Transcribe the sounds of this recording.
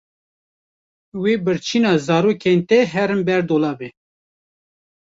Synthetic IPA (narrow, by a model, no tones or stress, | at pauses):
wiːbɨɾt͡ʃʰinɑːzɑːɾuːkent̪ɛɦɛɾɨmbɛɾd̪oːlɑːbɛ